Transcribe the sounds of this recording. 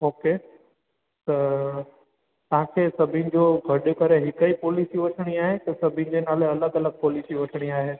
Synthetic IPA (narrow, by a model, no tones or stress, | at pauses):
oːkeː | t̪ɐ | t̪ɐɦãkʰeːsɐbʱɪ̃nɪ̆d͡ʑoːɡʱɐɗʊkɐɾeɦɪkəipoːliːsiʋɐʈʰəɽ̃iaːɦet̪ɐsɐbʱɪ̃nɪ̆d͡ʑenaːleɐləɡɐləɡ̚poːliːsiʋɐʈʰɽ̃iaːɦeː